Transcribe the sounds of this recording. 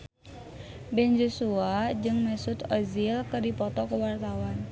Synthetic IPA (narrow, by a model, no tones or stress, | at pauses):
bɛnd͡ʒosuad͡ʒɨŋmɛsut̪ɔzilkɨrdipɔt̪ɔkəwart̪awan